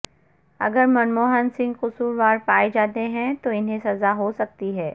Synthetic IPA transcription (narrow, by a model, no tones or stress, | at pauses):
ɐ̰ɡəɾmɐnmoːɦənsɪ̃ŋɡqʊsuːɾʋaːɾpaːed͡ʒaːt̪eɦɛ̃t̪oɪnɦẽsɐzaɦosɐk̚t̪iɦɛː